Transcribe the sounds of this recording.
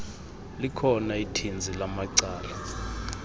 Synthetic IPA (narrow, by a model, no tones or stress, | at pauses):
likʰɔnaitʰind͡zʱilamaǀaːla